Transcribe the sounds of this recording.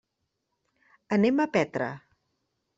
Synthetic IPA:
əneməpɛt̪ɾə̰

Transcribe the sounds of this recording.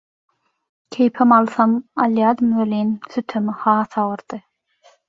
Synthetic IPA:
kʲʰejpʰemɑlˠθɑmɑlˠjɑːd̪ɯmweliːnθyt̪ʰømihɑːθɑwɯɾd̪̥ɯ

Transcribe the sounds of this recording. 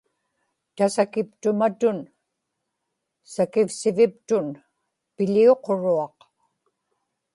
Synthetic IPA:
t̪asakɪpt̪ʊmat̪ʊn | sakɪfsɪvɪp̚t̪ʊn | pɪʎio̞qoɻuɑq

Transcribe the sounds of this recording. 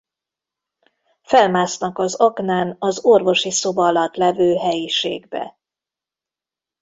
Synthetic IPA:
fɛlmaːsnɒkɒzɒknaːnɒzorvo̞ʃiso̞bɒlɒt̪lɛvøːɦɛjiʃḛːɡbɛ̰

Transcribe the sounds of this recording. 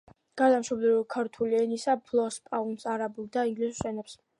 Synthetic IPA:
ɡ̥aɾd̪amʃɔbd̪ɛɾɔkʰaɾt̪ʰuliɛnisapʰlˠɔspʼaunsaɾabulˠd̪aiŋɡlisu̥sɛnɛps

